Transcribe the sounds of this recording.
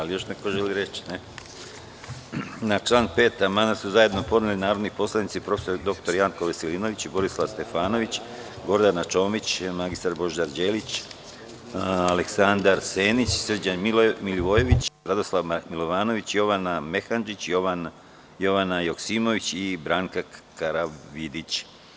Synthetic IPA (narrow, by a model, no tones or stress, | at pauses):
alijo̞ʃnekoʒeliɾet͡ɕne | nat͡ʃlˠaːnpe̞ːt̪amad̪asuzaje̞d̪nopo̞d̪nilinaːɾod̪nipo̞slˠadnit̪sipɾo̞fesoɾd̪o̞kt̪o̞ɾjaŋkoʋeseliːno̞ʋit͡ɕibo̞ɾislˠaʋst̪e̞faːno̞ʋit͡ɕ | ɡo̞ɾd̪anat͡ʃo̞ːmit͡ɕmaɡist̪aɾbo̞ʒd̪aɾd͡ʒeːlit͡ɕ | ale̞ksand̪aɾseːnit͡ɕsr̩d͡ʑanmiliʋo̞je̞ʋit͡ɕɾad̪o̞slˠaʋmilˠoʋaːno̞ʋit͡ɕjo̞ʋaname̞xand͡ʒit͡ɕjo | jo̞ʋanajoksiːmo̞ʋit͡ɕibɾaŋkakaɾaʋid̪it͡ɕ